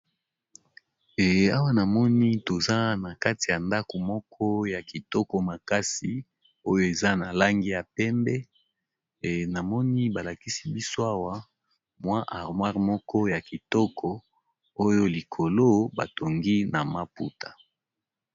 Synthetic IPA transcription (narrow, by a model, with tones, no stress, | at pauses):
e˨a˦wa˦na˨mɔ˦ni˦to˨za˦na˨ka˦ti˨ja˨nda˦ko˨mɔ˦kʰɔ˦ja˨ki˨tɔ˦kɔ˦ma˨ka˦si˨ | o˦jo˦e˨za˦na˨la˦ŋɡi˦ja˨pɛ˦mbɛ˦˨ | na˨mɔ˦ni˦ba˨la˨ki˦si˦bi˦so˦a˦wa˦ | mwa˦ʔa˨ʁmwa˦ʁmɔ˦kʰɔ˦ja˨ki˨tɔ˦kʰɔ˨ | o˦jo˦li˨kʰo˨lo˦ba̰˨to˨ŋɡi˦na˨ma˦pṵ˦tʰḁ˨